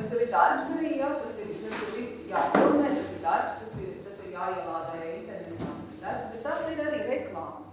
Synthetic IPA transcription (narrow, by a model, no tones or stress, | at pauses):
ɐst̪aʋid̪aɾpsnɛijat̪ɐsiɾt̪ɐsiɾʋis | jaːp̪unɛːt̪ɐsiɾd̪aɾpst̪ɐsiɾt̪ɐsiɾjaːjiɛlˠaːd̪aːjaːint̪ɛɾnɛt̪jat̪ɐsiɾd̪aɾpsbet̪t̪ːasiɾaɾiːɾɛklˠɑːm